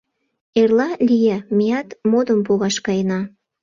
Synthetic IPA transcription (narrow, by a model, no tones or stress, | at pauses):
erlɑlʲijæmijɑt̪mod̪əmpuɣɑʃkɑjənɑ